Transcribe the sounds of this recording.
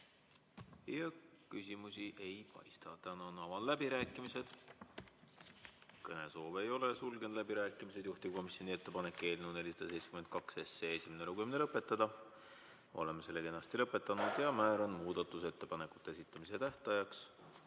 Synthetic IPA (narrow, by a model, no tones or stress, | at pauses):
jɑkysʲimusiʔe̞jpɑ̰jst̪ɑt̪ænɑnɑvɑllæbiɾæːkːˑimise̞d̪̥ | kɤne̞so̞ːvejo̞lesulɡend̪læbiɾæːkːˑimise̞d̪̥juht̪iko̞misjo̞nʲie̞t̪ːe̞pɑne̞kːˑe̞ːlneuw̪ne̞lʲisɑd̪̥ɑse̞jtse̥kymed̪̥̚kɑkse̞sːeːesʲimenelukymnelɤpːˑe̞t̪ːˑɑd̪̥ɑ | o̞̰le̞mːese̞lːe̞kenːɑst̪ilɤpːˑe̞t̪ːˑɑnud̪̥jɑmæːɾɑnmuːd̪̥ɑt̪ːˑuse̞t̪ːe̞pɑne̞kˑu̥t̪ːˑeesit̪ːˑɑmise̞t̪æht̪ɑjɑks